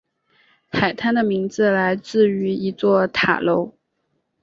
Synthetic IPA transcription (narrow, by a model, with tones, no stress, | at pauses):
xʰa˨˩ɪt̪ʰa˥nd̪ə˨mi˧˥ŋd͡zɹ̩˧la˧˥ɪt͡sɹ̩˥˩y˧˥i˧˥t͡swɔ˥˩t̪ʰa̰˨˩lo˧˥ʊ